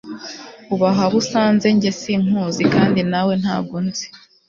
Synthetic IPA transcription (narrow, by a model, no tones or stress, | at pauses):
uβaɦaβusaːnze̞ɲɟe̞siŋ̥huːzikaːndinawe̞n̥ha̰ːbɡunzi̥